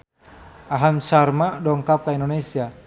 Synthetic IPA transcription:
aɦamsarmadɔŋkap̚kaindonesia

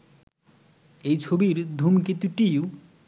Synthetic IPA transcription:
ejt͡sʰobiɾd̪ʱumket̪iʈiju

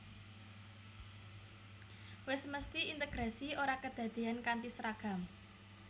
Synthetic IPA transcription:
wɪsməst̪iint̪əɡ̥ɾasioɾakəd̪̥ä̤d̪̥e̤ankant̪isɾaɡ̥a̤m

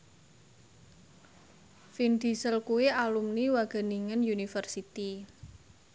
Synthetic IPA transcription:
find̪̥i̤səlkuwialumniwaɡ̥ə̤niŋənjunifərsit̪i

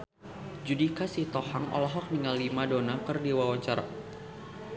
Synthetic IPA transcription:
d͡ʒudikasit̪ɔhaŋʔɔ̰lɔɦɔk̚niŋalːimadonakɨrdiwawaɲt͡ʃaɾa̰

